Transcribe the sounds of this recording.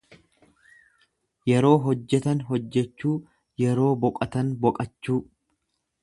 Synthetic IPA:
jɛɾo̞ːɦɔd͡ʒːɛt̪ɐnɦɔd͡ʒːɛt͡ʃːuː | jɛɾo̞ːbɔkʼɐt̪ɐnbɔkʼɐt͡ʃːuː

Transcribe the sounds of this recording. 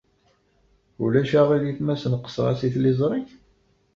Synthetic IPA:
ulæʃaʁiðjiθmæsənqːə̥sˤɾˤɑ̰siθlizˤɾˤiθ

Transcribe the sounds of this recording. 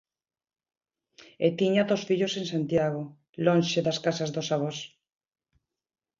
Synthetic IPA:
et̪iɲaðosfiʎosensant̪jaɣo | lõnʲʃeðaskasazðosaβ̞os

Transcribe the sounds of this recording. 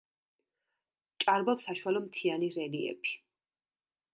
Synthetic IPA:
t͡ʃʼaɾbɔpsaʃwalɔmt̪ʰianiɾɛliɛ̰bʃi̥

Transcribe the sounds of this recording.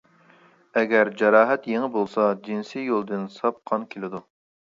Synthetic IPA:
ɛɡʲɛɾd͡ʒɑɾɑːɦɛt̪jeŋɪbolˠsɑd͡ʒinsijolˠd̪ɨnsɑp̚qʰɑnkʲʰelɪd̪u

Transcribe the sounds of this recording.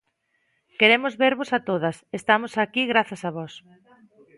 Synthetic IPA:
keɾemʊzβeɾβosat̪oðɐsest̪amosakiɣɾaθɐsaβɔs

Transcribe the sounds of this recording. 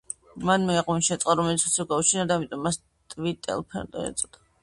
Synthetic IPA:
manmɛːqɔinʃɛt̪sʼqʼaɾɔmɛlit̪sʰɔt̪sʰɔɡaut͡ʃʰinad̪aːmit̪ʼɔmːas | t̪ʼvit̪ʼɛ̰lˠpʰɛ̰nt̪ʼɔ̰ɛ̰t̪sʼd̪̥ḁ

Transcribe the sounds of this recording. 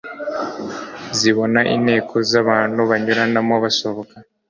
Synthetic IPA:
ziβo̞naʔḭne̞ːkʰo̞zaβaːn̤uβaɲuɾanamoβasoβoka

